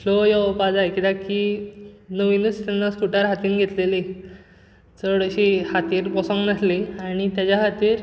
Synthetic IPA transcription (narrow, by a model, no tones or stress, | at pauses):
lojɔpad͡zakid̪aki | nəʋinust̪anːaskuʈaɾɦat̪iːnɡʱet̪lele | t͡səɽəɕihat̪iːɾbɔsɔ̃ŋɡnasliaɽ̃it̪jat͡ɕaɦat̪iːɾ